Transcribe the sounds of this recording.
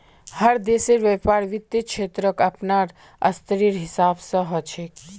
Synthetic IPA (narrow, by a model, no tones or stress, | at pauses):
həɾd̪esiɾʋepaɾʋit̪ːikʃʰeːt̪ɾəkapnaɾ | ə̰st̪ʰəɾiɾɦɪsaːbsə̃ɦɔt͡ʃʰek